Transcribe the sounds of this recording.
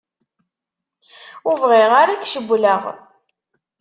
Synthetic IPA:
uvʁɪʁaɾakʃəbʷːləʁ

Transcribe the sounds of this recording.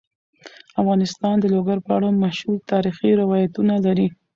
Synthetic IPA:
afɣɑnɪst̪ɑnd̪əloɡaɾpəaɽamaʃɾut̪ɑɾixiɾɪwɑjat̪unalaɾi

